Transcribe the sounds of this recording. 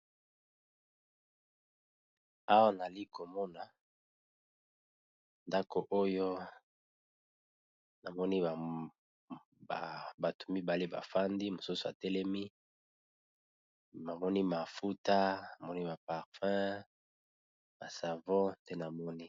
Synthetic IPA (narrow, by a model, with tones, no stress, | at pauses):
a˦wa˦na˨li˦ko˨mɔ˦na˨ | nda˦ko˨ʔo˦jo˦ | na˨mɔ˦ni˦˨ | a˨ba˨to̥˨mi˦ba˨le˦ba̰˨fa˦ndi˦mo˨su˦so˨a˨tɛ˦lɛ˦mi˦ | ma˨mɔ˦ni˦ma˨fu˦ta˦na˨mɔ˦ni˦ma˨pa˨ʁfɛ̃˦ | ma˨sa˨vɔ̃˦te˦na˨mɔ˦ni˦